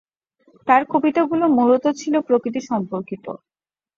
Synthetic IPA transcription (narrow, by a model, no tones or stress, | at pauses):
t̪aɾkʰobit̪aɡulomulot̪ot͡ɕʰilopɾokɾit̪̬iʃɔmpoɾkit̪o̰